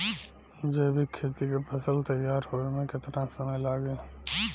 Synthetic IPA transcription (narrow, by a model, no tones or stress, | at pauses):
d͡ʒeːbʱikʰːeːt̪ikepʰɐsəlt̪ɐjːaːɾhoːemẽkɪt̪nãsəməjlaːɡẽː